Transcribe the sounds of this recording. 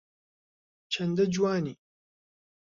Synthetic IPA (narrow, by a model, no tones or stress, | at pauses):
t͡ʃʰɐnd̪ɐd͡ʒwaːniː